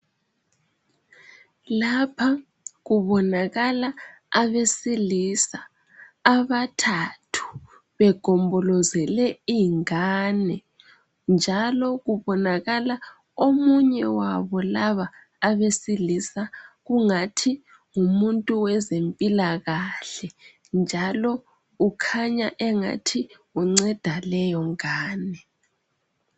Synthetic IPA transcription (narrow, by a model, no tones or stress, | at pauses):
lapʰa | ɣuβɔnaɣala | aβesilisa | aβatʰatʰu̥ | βɛɡ̥ʱɔmbʱɔlɔzɛlɛiŋaːnɛ | nd͡ʒʱalɔɣuβɔnaɣala | omuɲɛwaβɔlaβaː | βesilisaɣuŋatʰi | ŋumuntʼuwɛzempʼilaɣaɬɛ | nd͡ʒʱalɔ | ukʰaɲaʔɛŋa̰tʰi | uŋ͡ǀɛd̥ʱalɛjɔŋaːnɛ